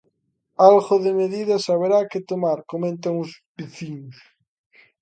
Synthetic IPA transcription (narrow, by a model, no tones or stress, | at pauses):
alɣoðemeðiðasaβ̞eɾaket̪omaɾkomẽnt̪̬aŋuspiθiɲus